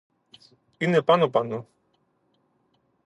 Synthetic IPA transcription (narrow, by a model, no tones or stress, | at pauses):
inepanopano